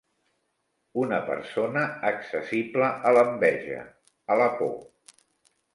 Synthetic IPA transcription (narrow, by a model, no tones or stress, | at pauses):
unəpə̰ɾsonəːksəsipləʔːləmbɛʒə̰ | ələpo̰